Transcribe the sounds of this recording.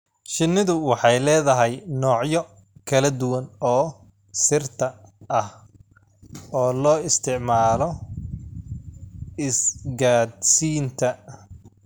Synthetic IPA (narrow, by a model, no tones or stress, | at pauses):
ʃɪnːɪðʊwɑħɑjlɛːðɐɦɛjnɔːʕjɔ | kʰɐlɐd̪ʊwɐnɔː | sɪrt̪ʰɐʔɐh | ɔːlɔːɪst̪ʰɪʕmaːlɔ | ɪsɡaːd̪siːnt̪ʰɐ